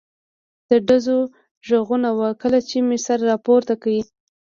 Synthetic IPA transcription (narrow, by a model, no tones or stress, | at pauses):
d̪̥əɖazo | ʒəɣunawakəlat͡ʃemesaɾaɾɑpoɾt̪akawi